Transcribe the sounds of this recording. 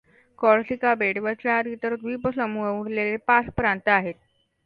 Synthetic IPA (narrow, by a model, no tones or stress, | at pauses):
kɔɭsikabeɽʋət͡saɾit̪əɾt̪ʋipəsəmuəʋuɽlelepaspɾant̪əaɦet̪̚